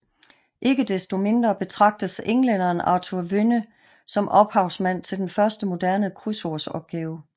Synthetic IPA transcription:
ʔe̝ɡ̥əd̥esd̥o̝me̝nd̥ʁɐb̥e̝t͡sʰʁɑ̈ɡ̥̚d̥əseŋlenɐːnɑ̰̈ːt͡sʰuɐʋønə | sɒ̽mʔɒ̽b̥hɑ̈ʊsmæn̰t͡sʰe̝ld̥enfɶɐsd̥əmo̝d̥æɐnəkʰʁysoɐsɒ̽b̥̚ɡ̥ɛːʊ

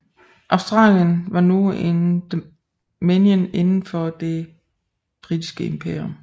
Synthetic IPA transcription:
ʔɑ̈ʊsd̥ʁɑ̰̈ːljənʋɑ̈nuend̥ | menjəne̝nn̩fɒ̽d̥e̝ | b̥ʁid̥isɡ̥əempʰḛɐom

